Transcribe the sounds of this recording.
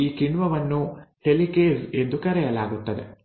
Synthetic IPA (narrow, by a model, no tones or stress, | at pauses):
iːkiɳʋɐʋɐnːuʈelikeːse̞nd̪ukɐɾɛjɐlaːɡut̪ːɐd̪ḛ